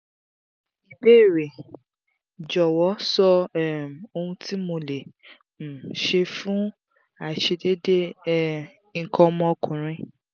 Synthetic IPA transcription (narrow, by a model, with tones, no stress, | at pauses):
i˨be˦˨ɾe˨ | d͡ʒɔ˨wɔ˨˦sɔ˧˦˨m˨o˧hũ˧tʰi˦mõ˧le˨ | ʃe˧fũ˦ | a˨ʃe˧de˦de˦ | ŋ̩˨kʰɔ̃˧mɔ̃˧kʰũ˨ɾ̃ĩ˧˦